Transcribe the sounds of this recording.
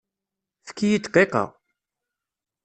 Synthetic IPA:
fə̥kːijit͡s̪ːqːeqɑ̰ʁ

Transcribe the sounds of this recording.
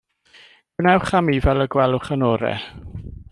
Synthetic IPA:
nɛwχamivɛlˠəɡwɛlˠʊχənɔːɾɛ̰

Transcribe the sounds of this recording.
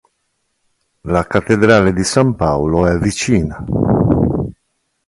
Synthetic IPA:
lakat̪ːed̪ɾaːled̪isampawloɛvit͡ʃiːna

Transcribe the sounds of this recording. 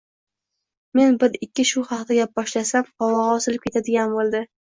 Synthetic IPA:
me̞nbɪɾɪkʲːɪʃʊhɑqt̪ʰaɡʲabbɒʃlasamqɒwɑʁɒsɪlɪp̚kʲe̞t̪ʰad̪ɪɡʲanbolˠd̪ɪ

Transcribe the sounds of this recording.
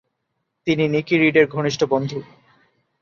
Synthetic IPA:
t̪ininikiɾiɖeɾɡʱoniʃʈʰobond̪ʱu

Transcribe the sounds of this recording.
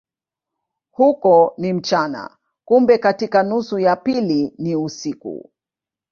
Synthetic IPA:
hukɔnim̩t͡ʃana̰ | kumbɛkatikanusujapiliniusikṵ

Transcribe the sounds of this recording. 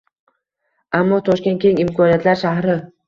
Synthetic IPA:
amːɒt̪ʰɒʃkʲet̪̚kʲʰeŋɪmkʰɒnijat̪laɾʃahɾɪ

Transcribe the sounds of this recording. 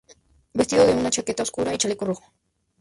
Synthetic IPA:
best̪iðoðeunat͡ʃaket̪aoskuɾait͡ʃalekoruxo̥

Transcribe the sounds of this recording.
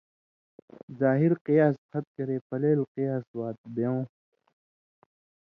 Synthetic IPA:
zaːɦiɾqijaːsqʰɐt̪̚kɐɾeːpɐleːlqijaːswaːt̪̚bejõː

